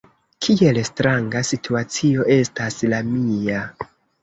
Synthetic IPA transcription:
kʰie̞lstɾaŋɡasitʰuat͡sio̞ʔe̞staslamia

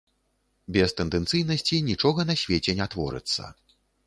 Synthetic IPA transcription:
bʲɛst̪ɛnd̪ɛnt̪sɨjnɐsʲt͡sʲinʲit͡ʂɔɣɐnɐsʲvʲet͡sʲɛnʲat̪vɔ̰ɾɨ̰t̪sːɐ̰

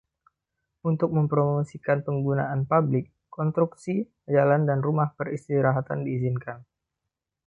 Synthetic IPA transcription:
unt̪ʊk̚məmpəɾomosikanpəŋɡuna̰ʔanpablɪkːɔnst̪ɾuksi | ad͡ʒalandanrumahpərist̪iɾaɦat̪andiːzinkan

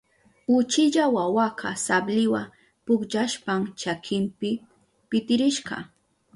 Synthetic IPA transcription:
ʊt͡ʃɪʎawawakʰɑsablɪwa | pʊkʎaʃpamt͡ʃakʰɪmpɪ | pɪt̪ɪɾɪʃɢɑ̰

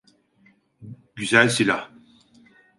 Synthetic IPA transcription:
ɡ̥yzalsila

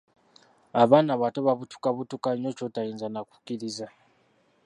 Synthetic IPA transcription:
aβaːnaβatoβaβutu̥kaβutukaɲot͡ʃotajiːnzanaku̥kiɾiza

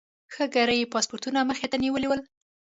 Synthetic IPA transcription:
xəɡaɾəjpɑspoɾt̪unaməxet̪aniwəliwəl

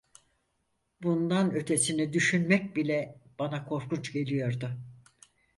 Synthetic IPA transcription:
bund̪anø̞t̪ʰe̞sinɛd̪yʃynmɛc̚bilʲɛb̥anakʰo̞ɾkut͡ʃɟe̞lʲijo̞ɾd̪ʊ

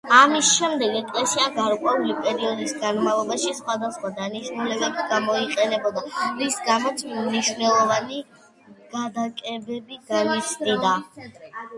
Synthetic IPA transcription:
amisʃɛmd̪ɛɡɛk̪ʼlɛsiaɡaɾkʼwɛulipʼɛɾiɔd̪isɡanmavlˠɔbaʃisχwad̪asχwad̪aniʃnulɛbɛbɡamɔiqʼɛnɛbɔd̪amisɡamɔt̪smniʃnɛlˠɔvani | ɡ̥ad̪akʼɛbɛbiɡanit͡ʃʰnid̪a

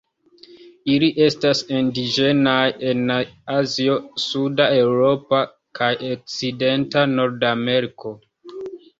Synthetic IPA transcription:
iliʔe̞stasindiʒe̞naje̞naaziosudae̞wɾo̞pa | kʰajok̚t͡side̞ntano̞ɾdame̞ɾiko̞

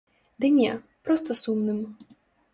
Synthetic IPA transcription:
d̪ɨnʲɛ | pɾɔst̪ɐsumnɨm

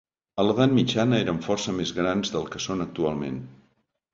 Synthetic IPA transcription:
ələðanmid͡ʒanəeɾəɱfɔrsəmezɣɾanzðəlˠkəsonək̚t̪ualˠmḛn

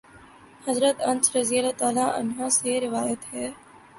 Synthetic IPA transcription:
hɐzɾət̪ɐnsɾɐziːəlɛt̪aːlaʔɐ̰nɦãseɾɪʋaːjət̪ɦɛː

